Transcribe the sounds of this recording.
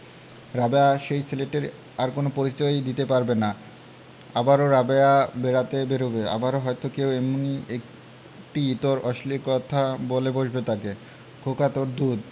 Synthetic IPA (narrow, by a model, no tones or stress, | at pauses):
ɾabeaʃejseleʈeɾ | aɾkonopoɾit͡ɕɔjd̪it̪epaɾbena | abaɾoɾabeabeɾat̪ebeɾobea̰baɾoɦɔjt̪okewemuniek | ʈiit̪oɾɔʃliɾkɔt̪ʰaboleboʃbet̪ake | kʰokat̪oɾd̪ud̪